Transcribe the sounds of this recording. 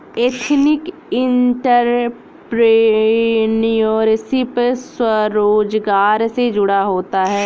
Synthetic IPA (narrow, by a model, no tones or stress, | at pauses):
eːt̪ʰnɪk | ɪɳʈəɾ | pɾe | nijoːɾsipswəɾoːd͡ʒɡaːɾsed͡ʒʊɽaɦoːt̪aɦɛː